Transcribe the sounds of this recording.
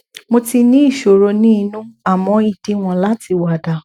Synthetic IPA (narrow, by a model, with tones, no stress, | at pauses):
mo˧ti˧nĩ˦i˦˨ʃo˨ɾo˧nĩ˦˧nũ˦a˨mɔ̃˧i˨d̥i˨˦w̃ɔ̃˧la˦ti˧wa˨da˨